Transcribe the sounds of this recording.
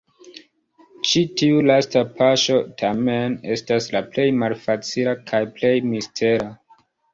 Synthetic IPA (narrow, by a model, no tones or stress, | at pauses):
t͡ʃitiulastapaʃo̞tʰamene̞staslaple̞jmalfat͡silakʰajple̞jmistʰe̞ɾa